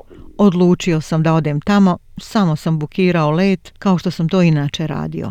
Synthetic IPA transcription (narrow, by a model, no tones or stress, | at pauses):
od̪lˠuːt͡ʃio̞samd̪ao̞d̪eːmt̪amo̞samo̞sambukʰiːɾaoleːt̪kao̞ʃt̪o̞samt̪o̞ːinaːt͡ʃe̞ɾa̰ːd̪ḭjo̞̰